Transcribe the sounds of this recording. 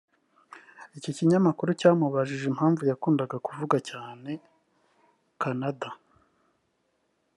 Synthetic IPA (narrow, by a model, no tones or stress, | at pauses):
iciciɲamakuɾucaːmuβaʒiʒem̥haːɱvujakuːndaɡakuvuɡacaːne̞ | kanada